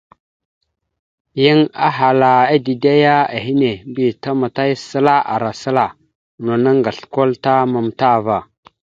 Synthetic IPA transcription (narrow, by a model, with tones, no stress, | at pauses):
ji˦ŋa̰˦ɦa˨la˨a˦di˨da˦ja˦a˨ɦi˦ne˨mbi˨ta˦ma˨ta˦jsə˦la˦ʔa̰˨ɾa˨sə˦la˨ | no˨na˦ŋɡa˨ɬko˦lta˦ma˨mta˦˨va˨